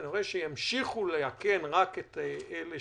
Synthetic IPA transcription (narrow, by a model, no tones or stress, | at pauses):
niʁeʃejamʃiχulejakenʁaket̪ele